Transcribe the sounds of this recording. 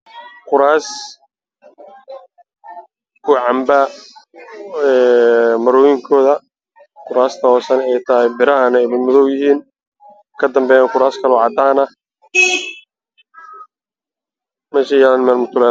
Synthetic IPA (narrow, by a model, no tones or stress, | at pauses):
qʊɾaːs | kʰʊʕɑmba | ɛːmɐɾɔːjɪŋkʰɔːðɐ | qʊɾaːst̪ʰɐɔːsɐnɛjt̪ʰɐɦɪbɪɾɐɦɐnɛjmɐd̪mʊðɔwjɪɦiːn | kʰɐd̪ɐmbɛːjɛqʊɾaːskʰɐlʕɑd̪aːnɐ | mɛːʃɐjɛːlɐnmɛːlmʊt̪ʰʊlɛː